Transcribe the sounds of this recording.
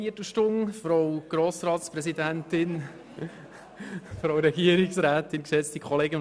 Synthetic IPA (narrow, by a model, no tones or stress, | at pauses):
iətəʃtʊŋfɾowɡ̥ɾoːsɾɑːtspɾɛsidæntɪn | fɾowɾɛɡiəɾɪksɾæːt̪ɪnkʃɛt͡stikʰɔleːɡən